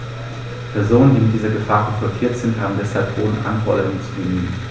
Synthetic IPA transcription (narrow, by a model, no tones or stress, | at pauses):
pʰɛɐzoːnəndiːmɪt̚d̥iːzɐɡəfaːʁɛfɔtʰiːɐtz̥ɪnthaːbm̩dɛsalp̚v̥oːdn̩ʔa̰nfɔɐɾənʊŋənt͡subənyːən